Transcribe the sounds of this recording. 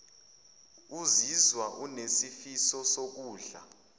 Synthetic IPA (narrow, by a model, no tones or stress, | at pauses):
uzizwaʔunesifisɔsok̬uːɮa̰